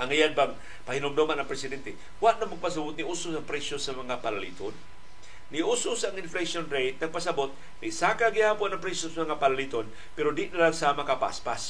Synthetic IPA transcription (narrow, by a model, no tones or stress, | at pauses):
ʔaŋijanbaŋ | pahinomd̪omanaŋpɾɛsɪd̪ɛnt̪ɛ | waʔnamaɡ̚pas̬abʊt̪̚niʔusʊsaŋpɾɛsjosamɐŋapalalḭːt̪onː | ɪʔusʊsaŋɪnflesonɾejt̪̚nɐɡ̚pasabot̪̚ | nɪsakaɡihapʊanaŋpɾɛsosamɐŋapalalit̪on | pɛɾod̪ɪʔnalaɡsaːmakapa̰spas